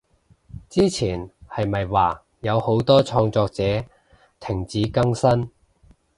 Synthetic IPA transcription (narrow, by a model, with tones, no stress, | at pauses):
t͡siː˥t͡sʰiː˨˩nhɐ˨jmɐ˨jwaː˨˩ | jɐ˨˧who˨˥wt̪ɔː˥t͡ʃʰɔː˧ŋt͡sɔː˧k̚t͡sɛː˨˥ | t̪ʰɪ˨˩ŋt͡siː˨˥kɐ˥ŋsɐ˥n